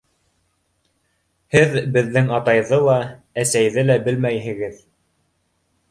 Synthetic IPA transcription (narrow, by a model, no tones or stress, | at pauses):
hɘðbɘ̆ðːɘŋɑt̪ɑjðɤlˠɑ | æsæjðɘlæbɘlmæjɦɘ̆ɡɘð